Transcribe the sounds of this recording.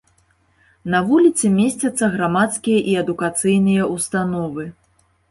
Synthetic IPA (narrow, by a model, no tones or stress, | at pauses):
nɐvulʲit̪sɨmʲesʲt͡sʲɐt̪sːɐɣɾamat̪skʲijɐʔiɐd̪ukat̪sɨjnɨjɐust̪anɔvɨ